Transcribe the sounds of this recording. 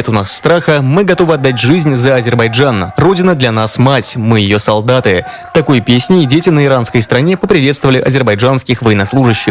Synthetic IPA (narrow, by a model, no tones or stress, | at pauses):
et̪ʊnasːt̪ɾaxəmɨɡɐt̪o̞vɨɐd̪ːatʲʐɨzʲnʲzəɐzʲɪrbɐjʐanro̞dʲɪnəd̪lʲɐnasmatʲmɨjɪjo̞sɐlˠd̪at̪ɨ | t̪ɐko̞jpʲesʲnʲɪːdʲetʲɪnəɪɾanskəjst̪ɾɐnʲe̞pəpɾʲɪvʲet̪st̪əvəlʲɪʔɐzʲɪrbɐjʐanskʲɪxvəjɪnɐslˠuʐɨɕːɪx